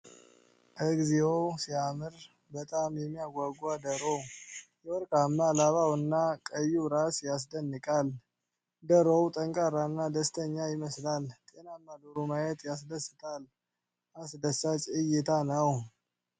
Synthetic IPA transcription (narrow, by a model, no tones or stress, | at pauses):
ʔəɡziosiamɨɾ | bət̪ʼamjɛmːijaɡʷaɡwad̪əɾowjɛwɔɾkʼamːalaβawɨnːakʼəjːuɾasjas̬d̪ənːɨkʼal | d̪əɾowt̪ʼəŋkʼaɾanːad̪əst̪ʰəɲːajɪməslalt̪ʼenamːad̪oɾumajɛt̪jas̬d̪əsːɨt̪ʰal | ʔasd̪əsːat͡ʃʼɨjɪt̪ʰanəw